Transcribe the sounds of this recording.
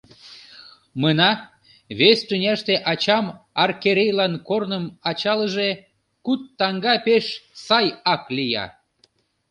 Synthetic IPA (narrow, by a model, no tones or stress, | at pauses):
mənɑ | βest̪ynʲæʃt̪eʔɑt͡ɕɑmɑrkeɾʲejlɑnkornəmɑt͡ɕɑləʒe | kut̪ːɑŋɡɑpeʃsɑjɑklijɑ̰